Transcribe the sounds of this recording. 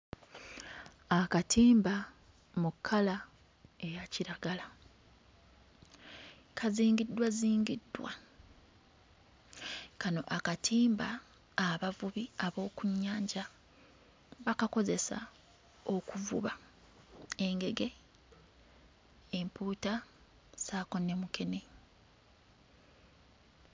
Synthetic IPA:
akatʰiːmba | mukʰːala | e̞jaciɾaɡala | kʰaziːŋɡidːwaziːŋɡidːwa | kano̞̰ʔakatʰiːmbaː | βavuβiaβo̞ːkuɲːaːɲɟa | βakako̞ze̞sa̰ | o̞kuvṵβa | e̞ŋɡe̞ɡe̞ | mpuːta | saːko̞ne̞mukʰe̞ne

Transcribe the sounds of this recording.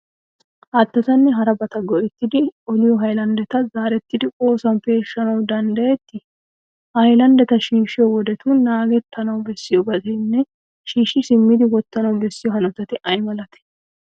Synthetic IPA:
ʔɐt̪ːɐt̪ɐnːɛɦɐɾɐbɐt̪ɐɡɔʔɛt̪ːɪd̪ɪɔlɪjɔɦɐjlɐnd̪ɛt̪ɐzaːɾɛt̪ːɪd̪ɪkʼo̞ːsɐnfe̞ːʃːɐnɐwd̪ɐnd̪ɐjɛt̪ːɪ | hɐjlɐnd̪ɛt̪ɐʃiːʃɪjɔwɔd̪ɛt̪unaːɡɛt̪ʰːɐnɐwbɛsːɪjɔbɐtɛnːɛ | ʃiːʃɪsɪmːɪd̪ɪwɔt̪ːɐnɐwbɛsːɪjɔɦɐnɔt̪ːɐt̪ɪʔɐjmɐlɐt̪ɛ̥

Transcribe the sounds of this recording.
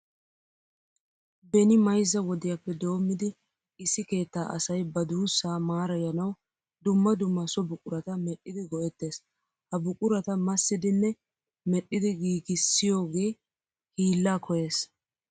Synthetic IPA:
bɛnɪmɐjzːɐwɔd̪ɪjɐpːɛd̪o̞ːmːɪd̪ɪ | ɪsːɪke̞ːt̪ːaːʔɐsɐjbɐd̪uːsːaːmaːɾɐjɐnɐw | d̪ʊmːɐd̪ʊmːɐsɔbʊkʼʊɾɐt̪ɐmɛɗːɪd̪ɪɡɔʔɛt̪ːe̞ːs | hɐbʊkʼʊɾɐt̪ɐmɐsːɪd̪ɪnːɛ | mɛɗːɪd̪ɪɡiːɡɪsːɪjo̞ːɡe̞ː | hiːlːaːkʰɔje̞ːs

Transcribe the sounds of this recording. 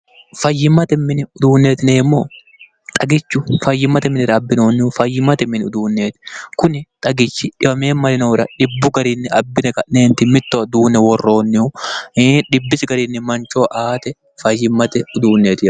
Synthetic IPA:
fɐjːɪmːɐt̪ɛmːɪnɪʊd̪uːnːeːt̪ɪneːmːoː | t̪ʼɐɡɪt͡ʃːʊfɐjːɪmɐt̪ɛmɪnɪɾɐːbːɪnoːnːɪʊfɐjːɪmɐt̪ɛmːɪnʊd̪uːnːe̞ːt̪ɪ̥kʊnɪt̪ʼɐɡɪt͡ʃːɪᶑɪbɐmeːmːɐlɪnoːɾɐᶑɪbːʊɡɐɾɪnːɪɐbːɪnɛkɐnne̞ːnt̪ɪmɪt̪ːoɐd̪uːnɛwɔrːo̞ːnːɪʊ | ᶑɪbːɪsɡɐɾinːɪmɐnt͡ʃoːʔaːt̪ɛ | fɐjːɪmːɐt̪ɛʊd̪uːnːeːt̪ɪ

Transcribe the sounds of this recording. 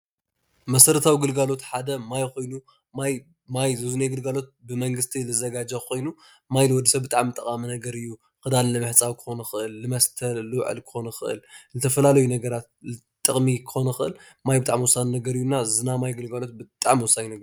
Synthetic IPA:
mɐsɐɾɐt̪ʰawiɡɨlɡalo̞t̪ħad̪ɐmajxo̞jnu | maj | majzɨzuneɡɨlɡalo̞t̪̚bɨmɐŋɡɨst̪ʰilɨzɐɡad͡ʒɐxo̞jnu | majlɨwɔd̪ɨsɐβbɨt̪ʼaʕmɨt̪ʼɐkʼaminɐɡɐɾɨjːu | kɨd̪allɐmɨħt͡sʼawkʰɨ̥xo̞nɐxɨʔɨlːɨmɐst̪ʰɐlːɨwʕɨ̰lkʰɨ̥xo̞nɐxɨʔɨ̰lzɨt̪ʰɐfɐlalɐjunɐɡɐɾat̪̚lɨ | t̪ʼːɨχʼmikʰɨ̥xo̞nɐxɨʔɨ̰l | majbɨt̪ʼaʕmwɔsannɐɡɐɾɨjːunːazɨnamajɡɨlɡalo̞t̪̚bɨt̪ʼaʕmwɔsaninɐɡɐɾ

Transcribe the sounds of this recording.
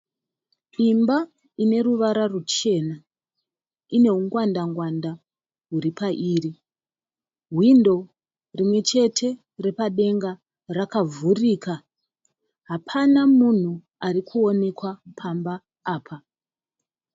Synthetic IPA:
imba | ine̞ɾuʋaɾarut͡ʃe̞ːna | ine̞ɦuŋɡwandaŋɡwanda | ɦuɾipʰaʔiːri | ɦwindo̞ | rimwe̞t͡ʃe̞tʰe̞ | re̞paɗe̞ŋɡa | rakavuriːka | ɦapʰanamun̤u | arikʰuo̞ne̞kwapʰambaː | pʰa

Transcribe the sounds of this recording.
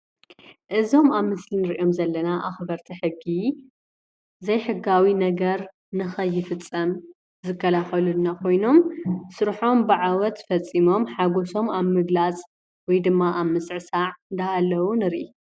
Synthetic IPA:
ʔɨzo̞maβmɨslinɨɾʔo̞mzɐlːɐnaʔaxbɐɾt̪ʰiħɨɡːi | zɐjħɨɡawinɐɡɐɾ | nɨxɐjːɪfɨt͡sʼːɐm | zɨkʰːɐlaxɐlunːakʰo̞jno̞msɨɾħo̞mbɨʕawɔt̪fɐt͡sʼːimo̞mħaɡo̞so̞maβmɨɡlat͡sʼ | wɔjd̪ɨmːaʔaβmːɨsʕɨsaʕɨnd̪aalːɐwunɨɾʔi

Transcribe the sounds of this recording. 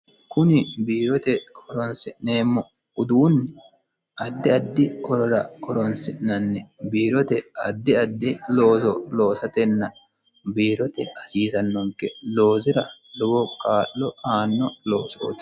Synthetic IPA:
kʊnɪbiːɾɔt̪ɛkɔɾɔnsɪʔneːmːɔ | ʊd̪uːnːɛ | ʔɐd̪ːɪɐd̪ːɪkɔɾɾɐkɔɾɔnsɪʔnɐnːɛbiːɾɔt̪ɛɐd̪ːɪɐd̪ːɪloːsɔlo̞ːsɐt̪ɛnːɐ | biːɾɔt̪ɛɐsiːsɐnːɔŋkːɛlo̞ːzɪɾɐlɔbɔkʼaːʔːɔaːnːɔlo̞ːso̰ːt̪

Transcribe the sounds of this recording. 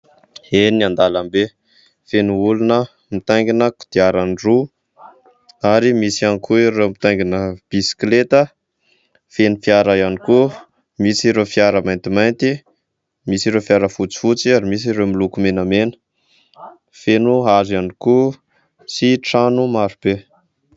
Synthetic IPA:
eniand̪alambe | fenuulunə | mit̪ajŋɡinəku̥d̪̥iaɾanru | aɾimisianikʰuiɾemit̪aŋɡinəb̥isi̥klet̪ə | fenifiaɾəjaniku | misiɾefiaɾəmajnt̪imajnt̪i | misiɾefiaɾəfut͡si̥fut͡siaɾimis̬iɾeomilukumenəmenə̥ | fenuɦazaniku | siʈ͡ʂanumaɾub̥e

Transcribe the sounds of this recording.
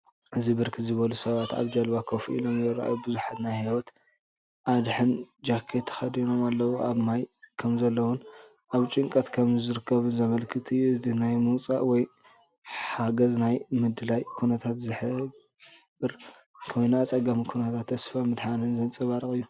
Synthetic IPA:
ʔɨzibɨɾkʰizɨβɐlusɐβat̪a̰βd͡ʒɐlbakʰɐfiʔḭlo̞mzɐɾʔa̰jobɨzuħat̪najhawɔt̪ | ʔad̪ħɨnd͡ʒakʰːet̪ʰɐ̥xɐd̪ino̞malːɐwuʔaβmajkʰɐmzɐlːɐwʊn | ʔaβt͡ʃʼɨŋkʼɐt̪kʰɐmzɨɾɨkʰːɐβɨnzɐmɐlkʰɨt̪ʰiɨzinajmɨwt͡sʼa̰ʔwɔj | ħaɡɐznajmɨd̪ɨlajkʰunɐt̪ʰat̪zɨħɨɡ | ɡɨɾ | kʰɐmnaat͡sʼɐɡamikʰunɐt̪ʰat̪ʰːɐsfamɨd̪ħanɨnzɐnt͡sʼɨβaɾɨχʼɨjːu

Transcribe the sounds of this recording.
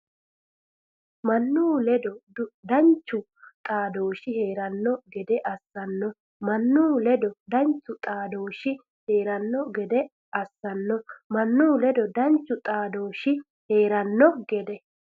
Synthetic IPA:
mɐnːuːlɛd̪ɔd̪ɐnt͡ʃːʊ | t̪ʼaːd̪oːʃɪhe̞ːɾɐnːɔɡɛd̪ɛʔɐsːɐnːɔ | mɐnːuːlɛd̪ɔd̪ɐnt͡ʃːʊt̪ʼaːd̪o̞ːʃɪ | heːɾɐnːɔɡɛd̪ɛ | ɐsːɐnːɔmɐnːuːlɛd̪ɔd̪ɐnt͡ʃːʊt̪ʼaːd̪oːʃɪ | he̞ːɾɐnːɔɡɛd̪ɛ

